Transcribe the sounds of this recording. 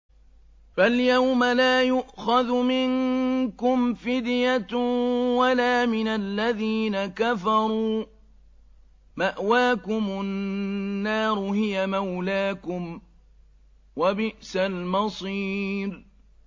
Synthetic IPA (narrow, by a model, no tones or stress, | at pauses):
faljawmalaːjʊʔxaðmɪŋkʊmfɪd̪jat̪walaːmɪnalːaðiːnakafɑɾˤuː | maʔwaːkʊmʊ | nːaːɾˤʊɦɪjamawlaːkʊm | wabɪʔsalmɑsˤiːɾ